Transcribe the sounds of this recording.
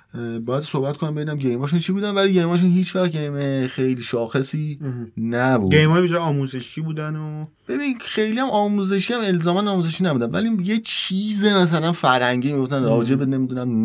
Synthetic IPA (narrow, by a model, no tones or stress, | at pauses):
bɒːjæd̪sohbæt̪kʰonæmbe̞iːnæmɟejmɒːʃ̬unt͡ʃʰiːbuːd̪ænvæliːɟe̞jmɒːʃ̬unhiːt͡ʃʰvæxɟejmexejliʃɒːxe̞siːnæbṵ̥ejmɒːjibid͡ʒɒɒːmuzeʃiːbuːd̪ænob̥e̞binxe̞jliæmɒːmuːze̞ʃiæme̞lzɒːmænɒːmuːzeʃiːnæbuːd̪ænvæ̰lijet͡ʃʰiːzemæs̬ælænfæɾhæŋɟiːmiɡoft̪ænrɒːd͡ʒe̞bene̞mid̪unæm